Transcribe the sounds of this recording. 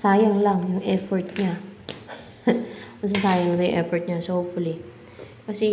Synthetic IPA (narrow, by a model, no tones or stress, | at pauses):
saːjɐŋlaŋjʊŋʔɛfɔɹt̪̚ɲa | mɐs̬asaːjɐŋnɐt̪ɐjʊ̰ŋʔɛfɔɹt̪̚ɲasɐhopfʊli | kɐsɛ